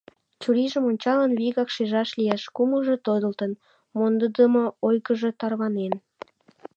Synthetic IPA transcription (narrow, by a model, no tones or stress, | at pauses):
t͡ɕuɾiʒəmonʲt͡ɕɑlənβiɣɑkʃeʒɑʃlijeʃkuməlʒe̽t̪od̪əlt̪ən | mond̪əd̪əmoojɣəʒet̪ɑrβɑnen